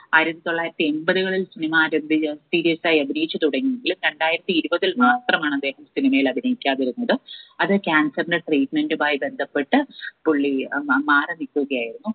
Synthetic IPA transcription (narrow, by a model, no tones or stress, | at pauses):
aːjiɾɐt̪ːit̪o̞ɭːaːjiɾɐt̪ːienbɐðuɣɐɭilsinimaːɾɐmbisiːɾijɐsaːjɐbʱinɐjit͡ɕːɨt̪uɽɐŋːijeŋɡilumɾe̞ɳɖaːjiɾɐt̪ːiiɾubɐðilmaːt̪rɐmaːɳɨɐd̪ːe̞ːhɐmsinimɐjilɐbʱinɐjikʲːaːðiɾunːɐðɨɐðɨkʲaːnsɐrinɖeʈriːʈme̞ndɨbaːjibe̞nd̪ʱɐpːe̞ʈːɨpuɭːimaːrɐnikːuɣɐjaːjiɾunːu